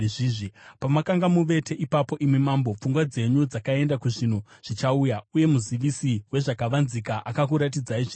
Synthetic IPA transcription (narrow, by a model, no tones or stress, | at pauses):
ʐiːʐipamakaŋɡamuʋe̞te̞ʔipapo̞ʔimwemambo̞p͡fuŋɡwad͡ze̞ɲud͡zakae̞ndakuʐin̤uʐ̥it͡ʃaujauje̞muziʋisiwe̞ʐakaʋanzikaʔakak̬uɾat̬id͡zaiʐi